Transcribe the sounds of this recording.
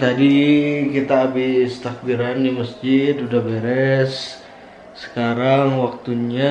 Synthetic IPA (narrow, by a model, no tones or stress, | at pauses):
t̪adikit̪aːbɪst̪ak̚biɾandiməsd͡ʒɪt̪udabeɾɛsː | ə̥kaɾaŋwak̚t̪uɲa